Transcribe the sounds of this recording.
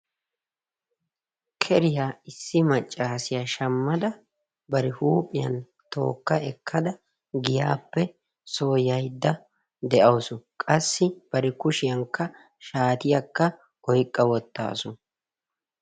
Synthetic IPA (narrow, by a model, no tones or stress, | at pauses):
kʰɛɾɪjaːɪsːɪmɐt͡ʃʼːaːsɪjaːʃɐmːɐd̪ɐ | bɐɾɪhuːpʼːɪjɐ̰n | t̪o̞̰ːkːɐɛkʰːɐd̪ɐ | ɡɪjaːpːɛ | so̞ːjɐjd̪ːɐ | d̪ɛʔɐwʊsʊkʼɐsːɪb̥ɐɾɛkʊʃɪjɐŋkːɐ | ʃaːt̪ɪjɐkːɐ | ɔjkʼːɐwɔt̪ːa̰ːsʊ